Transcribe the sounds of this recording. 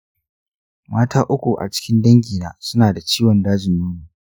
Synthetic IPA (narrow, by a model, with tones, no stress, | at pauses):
maː˦tʰaː˦ʔʊ˦kʷu˨ʔa̰˨t͡ʃɪ̥˦kʲɪ˦ndɐ˦ŋɡʲiː˨naː˦sʊ˦naː˨da˨t͡ʃiː˦wɔ˨ndaː˦d͡ʒɪ˨nːuː˦niː˨